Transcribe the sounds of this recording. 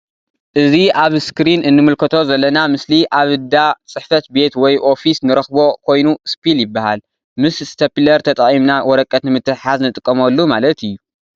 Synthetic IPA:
ʔɨziaβskɾinɨnːɨmɨlkʰɐt̪ʰo̞zɐlːɐnamɨsliʔaβɨd̪at͡sʼɨħfɐt̪be̞t̪wɔjʔo̞fisnɨɾɐxbo̞kʰo̞jnuspiljɪbːahal | mɨszɨ̥t̪ʰɐpilɐɾt̪ʰɐt̪ʼɐχʼimnawɔɾɐkʼːɐt̪nɨmɨt̪ʰːɨħaznɨt̪ʼɨkʼːɐmɐlːumalɐt̪ɨjːu

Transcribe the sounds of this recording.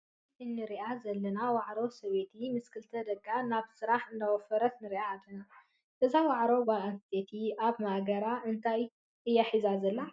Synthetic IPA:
ɨnːɨɾiʔazɐlːɐnawaʕɾosɐβe̞t̪ʰimɨskʰɨlt̪ʰɐd̪ɐɡʼanaβsɨɾaħɨnd̪awɔfɐɾɐt̪nɨɾiʔaːd̪ːɐna | ʔɨzawaʕɾobaʔɐst̪ʰet̪ʰiʔaβmaʔɡɐɾaʔɨnt̪ʰaj | ʔɨjːaħizazɐlːa

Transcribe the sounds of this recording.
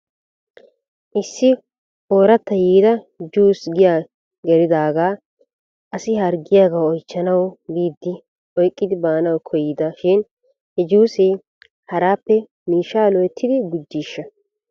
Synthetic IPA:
ʔɪsːɪ | o̞ːɾɐt̪ːɐjiːd̪ɐ | d͡ʒuːsɡɪjaː | ɡɛɾɪd̪aːɡaː | ʔɐsɪhɐɾɡɪjaːɡɐwɔjt͡ʃːɐnɐwbiːd̪ːɪ | ʔɔjkʼːɪd̪ɪbaːnɐwkʰɔjːd̪ɐʃɪn | hɛd͡ʒuːse | hɐɾaːpːɛ | miːʃːaːlɔjɛt̪ʰːɪd̪ɪɡʊd͡ʒːiːʃːɐ

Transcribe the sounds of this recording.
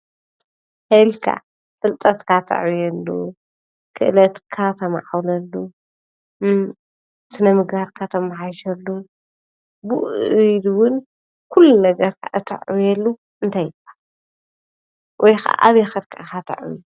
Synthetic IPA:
hɐlkʰa̰ | t̪ʼɨlt̪ʼɐt̪kʰat̪ʰɐ̰ʕwjɛlːu | kʰɨʔɨlɐt̪kʰat̪ʰɐmʕawlɐlːu | sɨnɐmɨɡbaɾkʰat̪ʰɐmaħajʃɐlːu | bɨd̪wʊn | kʰulːunɐɡɐɾkʰaʔɨt̪ʰɐ̰ʕjɛlːu | ɨnt̪ʰajɪbḁ | wʔɔjxa̰ʔʔaβjɛxɐɾkʰakʰat̪ʰɐ̰ʕwju

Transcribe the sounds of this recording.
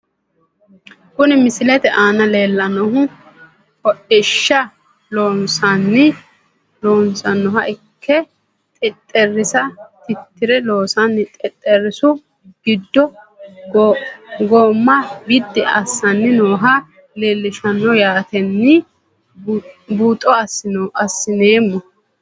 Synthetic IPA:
kʊnɪmɪsɪlɛt̪ɛʔaːnɐle̞ːlːɐnɔɦʊ | kɔʔɪʃːɐ | loːnsanːɪ | loːnsɐnːɔɦɐʔɪkʰːɛ | t̪ʼɪt̪ʼːɛrːɪsɐt̪ɪt̪ːɪɾɛloːsɐnːɪt̪ʼɪt̪ʼːɛrːɪsʊ | ɡ̥ɪd̪ːɔ | ɡoːmːɐɡɪd̪ːɛɐ̰sːɐnːɪnoːɦɐ | leːlːɪʃɐnːɔjaːt̪ɛnːɪ | buːt̪ʼːɔɐsɪnɐsːɪneːmːɔ

